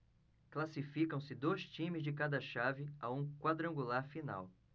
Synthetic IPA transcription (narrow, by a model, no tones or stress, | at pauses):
klasifikɐ̃w̃sɪd̪ojst͡ʃĩmɪzd͡ʒɪkad̪ɐʃavɪaũkwad̪ɾɐ̃ɡulaɾfina̰w